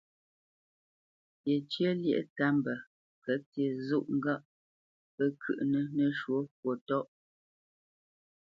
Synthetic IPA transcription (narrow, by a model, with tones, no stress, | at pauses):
pje˨t͡ʃjə˦ljə̰˦ʔta˦mbə˨ | kə˦tjə˨zu˦ʔŋ̩˦ɡa˦ʔ | pə˦kʰʉ̰˨ʔnə˦nə˦ʃwo˨˦kwo˨tɔ˦ʔ